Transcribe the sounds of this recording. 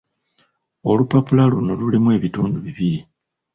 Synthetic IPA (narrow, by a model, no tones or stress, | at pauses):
o̞lupapulaluno̞lulimue̞ːβituːnduβiβiɾi